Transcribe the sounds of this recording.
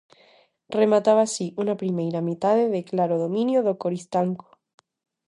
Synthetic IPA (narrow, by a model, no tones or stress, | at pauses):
remat̪aβasiʔunapɾimejɾamit̪aðeðeklaɾoð̞omĩnjoðokoɾist̪aŋko̥